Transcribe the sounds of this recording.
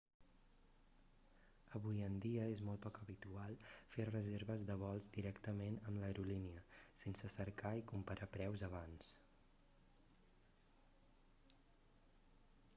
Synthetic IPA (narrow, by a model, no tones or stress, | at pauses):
əβujənd̪iəezmɔlˠt̪pɔkəβit̪ualˠferəzeɾβəzðəβ̞ɔlˠzd̪iɾɛkt̪əmenəmləɾuliniəsensəsəɾkaikumpəɾapɾɛwzəβ̞ans